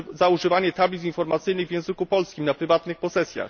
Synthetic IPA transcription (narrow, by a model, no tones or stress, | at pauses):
zauʐɘvaɲɛt̪ablʲit̪sʲinfɔɾmat̪sɘjnɘɣvjɛ̃w̃zɘkupɔlskʲimnapɾɘvat̪nɘxpɔsɛsʲja̰x